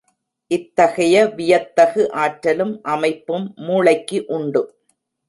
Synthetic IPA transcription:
ʔɪt̪ːɐɣɐjɐʋɪjɐt̪ːɐɣɯʔaːʈɾɐlɯmʔɐmɐɪpːɯmːuːɭɐɪkːɯʔʊɳɖɯ

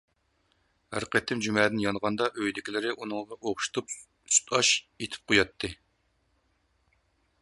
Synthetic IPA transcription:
hæɾqət̪ʰːɪmd͡ʒymɛːd̪ɪnjɑnˠʁɑnd̪ɑʔøjd̪ɪkʲʰilɪɾɪʔunɨŋʁɑʔoχʃu̥t̪ʰup̚ | su̥t̪ʰɑʃ | et̪ʰɪ̥p̚qʰojɑt̪ʰːɨ

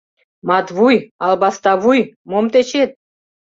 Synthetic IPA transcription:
mɑt̪βujɑlˠbɑst̪ɑvujmomt̪et͡ɕet̪̚

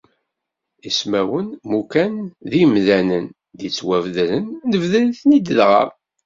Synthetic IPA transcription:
ismæwənmukænðimðænən | ðit͡sːwævðɾənːəvðælθnid̪əlðʁə̰

